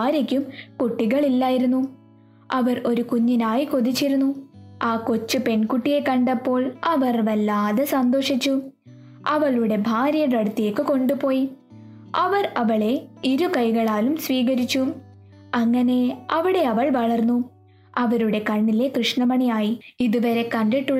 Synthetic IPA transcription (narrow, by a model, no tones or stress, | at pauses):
ɾikʲːumkuʈːiɣɐɭilːaːjiɾunːu | ɐʋɐro̞ɾukuɲːinaːjiko̞ðit͡ɕːiɾunːuaːko̞t͡ɕːɨpe̞nkuʈːije̞kɐɳɖɐpːo̞ːɭɐʋɐrʋɐlːaːðesɐnd̪o̞ːʂit͡ɕːu | ɐʋɐɭuɽe̞bʱaːɾjɐɾɐɽut̪ːijekːɨko̞ɳɖupo̞ːji | ɐʋɐrɐʋɐɭe̞iɾukɐjɣɐɭaːlumsʋiːɣɐɾit͡ɕːu | ɐŋːɐne̞ɐʋiɽe̞ɐʋɐɭʋɐɭɐrnːu | ɐʋɐɾuɽe̞kɐɳːile̞krɨʂɳɐmɐɳɐjaːjiiðuʋɐɾe̞kɐɳɖiʈːuɭ